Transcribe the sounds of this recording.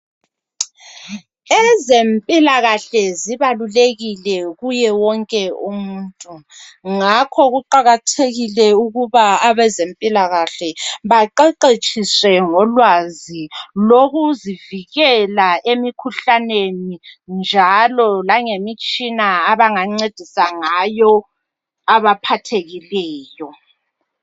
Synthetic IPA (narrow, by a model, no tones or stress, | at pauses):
ɛzempʼilaɣaɬɛziβaluleɣilɛɣujɛwɔŋkʼɛumuntʼuŋakʰɔɣuǃaɣatʰeɣilɛuɣuβaaβɛzempʼilaɣaɬɛβaǃɛǃet͡ʃʰʼiswɛŋɔlwaziloɣuziviɣɛlaemikʰuɬanenind͡ʒʱalɔlaŋemit͡ʃʼinaːβaŋaŋ͡ǀed̥ʱisaŋajɔ | aβapʰatʰeɣilɛːjɔ